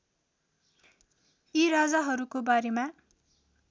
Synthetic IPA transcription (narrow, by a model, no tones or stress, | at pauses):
iɾad͡zaɦʌɾukobaɾema